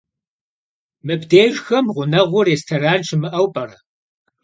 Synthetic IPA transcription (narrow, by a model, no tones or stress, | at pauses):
mɨbdeːʒxɐmʁʷʊnɐʁʷʊreːstʰoɾaːnt͡ʃʰɨmɨʔɐwpʼɐrɐ